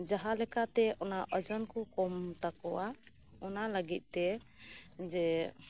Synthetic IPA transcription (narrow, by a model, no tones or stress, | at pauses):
d͡ʒaɦalɛkat̪ɛɔnaʔəd͡ʒɔnkɔkɔmt̪akɔwa | ɔnaləɡit̪̚ˀt̪ɛ | d͡ʒɛ